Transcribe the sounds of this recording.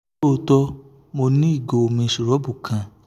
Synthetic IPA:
o˧tɔ˦ | mo˧nĩ˦i˦˨ɡo˨o˨mĩ˧˦ʃu˨ɾɔ˨˦bu˨kʰã˨

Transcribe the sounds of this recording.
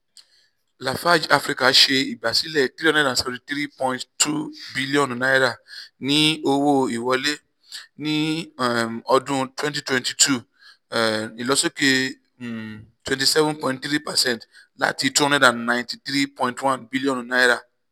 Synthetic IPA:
la˨fa˦d͡ʒa˧fɾi˧ka˨˦ʃe˧i˨ba˨si˨˦lɛ˦˨t̪ɾi˦ɔ˦nɛ̃˦dã˨sɔ˦o˨ɾĩ˧tɾi˦pɔ̃˧j̃nttʰu˦bi˦li˦ɔ̃˨n˨nã˦i˦ɾa˦˨nĩ˦o˧wo˦i˨wɔ˨˧le˦ | nĩ˦ | ɔ˧dũ˦twɛ̃˦nti˦twɛ̃˧nti˨tʰu˦˨ | i˨lɔ˨˦so˦ke˧˨ | twɛ̃˨nti˨sɛ˦vũnpɔ̃˧ĩntɾi˦pa˨sɛ̃˦nt | la̰˨˦ti˧tu˦ɔ̃˦nɛ̃˦dã˨nːã˨ntĩ˧tɾi˦pɔ̃˧ĩntwã˦nbi˦li˦ɔ̃˨nũ˨na˦i˦ɾa˦˨

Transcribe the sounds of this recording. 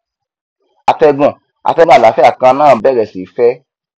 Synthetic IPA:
a˨tɛ˧ɡ͡bɔ̃˨ | a̰˨tɛ˧mɔ̃˦a˦˨la˨˦fɛ˦a˦˨kã˧˦nãː˦˨bɛ˦˨ɾɛ˨si˨˦fɛ˦

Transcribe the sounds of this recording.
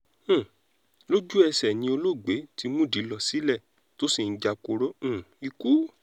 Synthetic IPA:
lo˦d͡ʒu˦ɛ˧sɛ˨nĩ˧o˧lo˦˨ɡ͡be˨˦ti˧mũ˦˨di˨˦lɔ˧si˨˦lɛ˦˨ | to˦si˦˨n̩˨˦d͡ʒa˧ko˧ɾõ˦˨i˧ku˦

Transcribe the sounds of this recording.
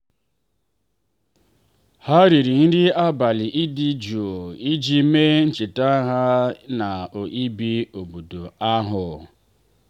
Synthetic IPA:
ha˦ɾi˨ɾi˨n̩˦dɪ˦a˦ba˨lɪ˨ʔi˦di˦d͡ʒu˨o˨i˦d͡ʒi˦me˦n̩˦t͡ʃi˨ta˦ɦa˦na˨o˨ʔi˦bi˦o˨bo˨do˨a˦ɦʊ˨

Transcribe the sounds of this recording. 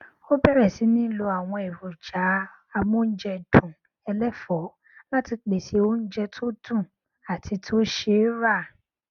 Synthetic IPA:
o˦bɛ˦ɾɛ˨si˨˦nĩ˦lo˧a˨w̃ɔ̃˧e˨ɾo˨d͡ʒa˨˦ | a˧mũ˦n̩˦d͡ʒɛ˧d̥ũ˨ | ɛ˧lɛ˦fɔ˨˦ | la˦ti˧k͡pe˨si˧˦o˦n̩˦d͡ʒɛ˧tʰo˦dũ˦˨ | a˨tʰi˧tʰo˦ʃe˧˦ɾa˦˨

